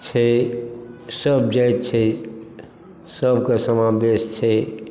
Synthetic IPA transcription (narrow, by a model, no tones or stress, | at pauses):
t͡ʃʰɛ | səbd͡ʒajt̪t͡ʃʰɛ | səbkasəmabest͡ʃʰɛ